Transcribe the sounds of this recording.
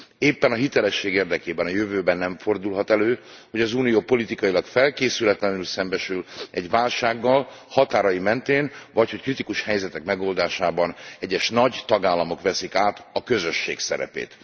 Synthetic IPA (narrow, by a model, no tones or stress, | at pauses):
eːpːɛnɒɦit̪ɛlɛʃːeːɡeːrd̪ɛkeːbɛnɒjøvøːbɛnːɛɱfo̞rd̪ulɦɒt̪ɛløːho̞ɟɒzuːnijoːpo̞lit̪ikɒjilɒkfɛlkeːsylɛt̪lɛnylsɛmbɛʃylɛɟʋaːlʃaːɡːɒl | hɒt̪aːɾɒjimɛnt̪eːnvɒcho̞ckrit̪ikuʃhɛjzɛt̪ɛkmɛɡo̞ːld̪aːʃaːbɒnɛɟːɛʃnɒɟt̪ɒɡaːlːɒmo̞kʋɛsikaːt̪ɒkø̞zøʃːeːksɛ̰ɾɛ̰pḛːt̪